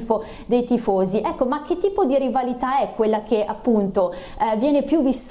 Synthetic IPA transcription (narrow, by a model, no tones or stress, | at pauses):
fo | d̪ejt̪ifoːziʔɛkːomak̟ːet̪ːiːpod̪iɾivalit̪aɛkːwelːak̟eʔapːunt̪o | vjɛːnepjuvːis